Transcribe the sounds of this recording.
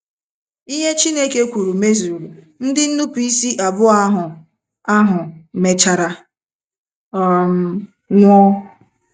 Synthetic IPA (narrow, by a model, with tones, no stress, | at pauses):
i˦ɦe˦t͡ʃi˦ne˦ke˦kʷu˨ɾu˨me˦zu˨ɾu˨ | n̩˦dɪ˦n̩˦nu˦pi˦i˦si˦ʔa˨bʊ˦a˦ɦʊ˨ | a˦ɦʊ˨me˨t͡ʃa˨ɾa˨ | m˦ | ŋʷɔ˦